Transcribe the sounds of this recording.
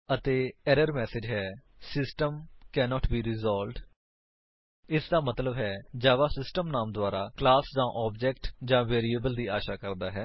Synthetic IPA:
ət̪eːɛɾəɾmɛːsɪd͡ʒɦɛː | sɪsʈəmkɛːnɔːʈbiːɾɪzɔːlɖ | ɪsd̪aːmət̪ləbɦɛːd͡ʒaːʋaːsɪsʈəmnaːmd̪ʊaːɾaːklaːsd͡ʒãːʔɔːbd͡ʒɛːk̚ʈd͡ʒãːʋeːɾiːəbəld̪iːaːʃaːkəɾd̪aːɦɛː

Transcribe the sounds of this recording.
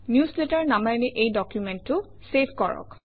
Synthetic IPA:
njusletaɹnamanɛʔejdɔkjumɛntːʊsepʰkɔɹɔ̰k

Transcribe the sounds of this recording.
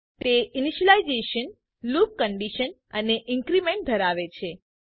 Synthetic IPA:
t̪eɪniʃəlaizeʃən | lup̚kəɳɖiʃən | əneʔɪ̃ŋkɾimẽɳʈ̚d̪ʱəɾaʋet͡ʃʰe

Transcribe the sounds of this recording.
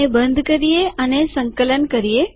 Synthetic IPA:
ebənd̪ʱkəɾijeənesə̃ŋkələnkəɾije

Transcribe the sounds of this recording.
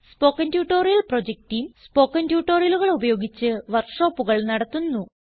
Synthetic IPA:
spo̞ːkːɐntjuːʈːo̞ːɾijɐlpro̞d͡ʑek̚ʈijumspo̞ːkːɐntjuːʈːo̞ːrijɐluɣɐɭubɐjo̞ːɡit͡ɕːɨʋɐrkʂo̞ːpːuɣɐɭnɐɽɐt̪ːunːu

